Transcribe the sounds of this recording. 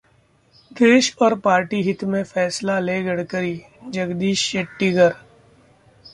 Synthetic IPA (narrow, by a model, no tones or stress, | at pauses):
d̪eːʃɔːɾpaːɾʈiɦɪt̪mẽfɛːslaleːɡəɽkəɾiː | d͡ʒəɡd̪iːʃeʈːiɡəɾ